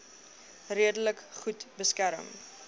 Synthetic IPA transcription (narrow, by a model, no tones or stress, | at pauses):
riədələkχutbəskæɾə̰m